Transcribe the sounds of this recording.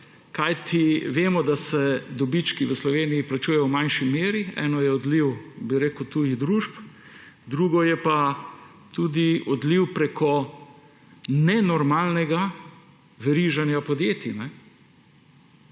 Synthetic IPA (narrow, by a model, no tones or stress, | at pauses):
kajt̪ʰiʋeːmɔd̪asɛd̪ɔbit͡ʃkiʋəslɔʋeːnijiplat͡ʃujɛjɔwmajnʃimeːɾiɛ̰ːnɔjɛɔd̪liwbiɾeːkəwt̪ujid̪ɾuːʃp | d̪ɾuːɡɔjɛpa | t̪ud̪iɔd̪liwpɾekʰɔ | nɛnɔɾmaːlnɛɡa | ʋɛɾiʒanjapɔd̪jeːt̪inɛ